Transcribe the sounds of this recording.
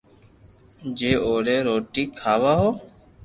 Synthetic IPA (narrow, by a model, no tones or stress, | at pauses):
d͡ʒeːʔoːɾeːɾoːʈiːkʰaːʋaːɦoː